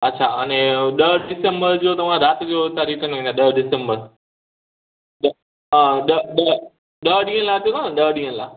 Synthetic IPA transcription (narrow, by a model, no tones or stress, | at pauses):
ɐtːɕʰaɐnẽɗəɦɖɪsəmbəɾd͡ʑoːt̪ɐʋ̤ãɾaːt̪ɡiot̪aːɾiːkənʋẽːnd̪aɗɐɦɖɪsə̃mbəɾ | ɗ | ɗɐɗə | ɗəɦɗĩːə̃laːt̪iõt̪ãɗəɦɗĩːə̃nla̰ː